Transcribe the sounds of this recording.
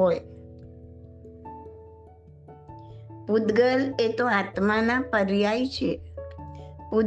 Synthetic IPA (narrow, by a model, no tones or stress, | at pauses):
oj | pud̪ɡəlet̪oat̪manapəɾjajt͡ʃʰe | pu